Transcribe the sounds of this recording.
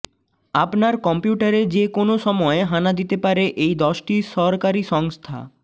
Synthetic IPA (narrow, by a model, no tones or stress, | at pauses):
apnaɾkɔmpjuʈaɾed͡ʑekonoʃɔmɔeɦanad̪it̪epaɾeʔejd̪ɔʃʈiʃɔɾkaɾiʃɔŋst̪ʰa̰